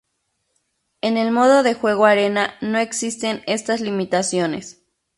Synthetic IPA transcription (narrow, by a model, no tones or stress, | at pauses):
e̞ne̞lmo̞ð̞o̞ðe̞xwe̞ɣ̞oaɾe̞nano̞e̞ksist̪e̞ne̞st̪azlimit̪asjo̞ne̞̰s